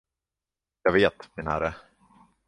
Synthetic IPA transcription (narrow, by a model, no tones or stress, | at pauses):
jɑːveːt̪mɪnhæ̰ɾə